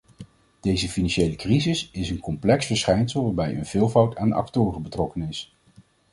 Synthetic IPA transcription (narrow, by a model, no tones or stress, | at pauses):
d̥ejzəfinɑnʃejləkrizɪsɪsənkɔmplɛksfəɹsχɛjnsəlˠʋaːɹbɛjə̰nv̥ɪːlˠvʌwtʰa̰ːndɑ̰ktʊːrəbətrɔkənɪs